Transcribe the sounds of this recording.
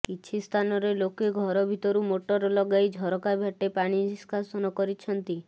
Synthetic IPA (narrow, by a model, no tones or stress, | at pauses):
kit͡ʃʰist̪ʰanɔɾelokeɡʱɔɾɔbʱit̪ɔɾumoʈɔɾɔlɔɡajd͡ʒʱɔɾɔkabʱjaʈepaɽ̃iskʰasɔnɔkɔɾit͡ʃʰɔnt̪i